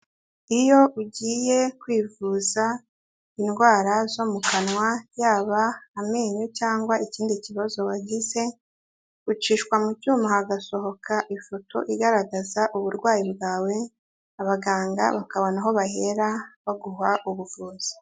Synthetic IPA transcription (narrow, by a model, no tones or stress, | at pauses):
ijo̞uɟiːje̞kwiːvuːza | inɡwaːɾazo̞mukanwajaːβaːmeːɲocaːŋɡwaiciːndiciβazo̞waɟize̞̥ | ut͡ʃiːʃkwamucuːmahaɡaso̞ɦo̞kʰaʔifo̞tʰo̞̰ʔiɡaɾaɡazaʔuβuɾɡwaːjibɡaːwe̞ | aβaɡaːŋɡa̰βakaβo̞naɦo̞βahe̞ɾaβaɡuɦaʔuβuvuːz̥i̥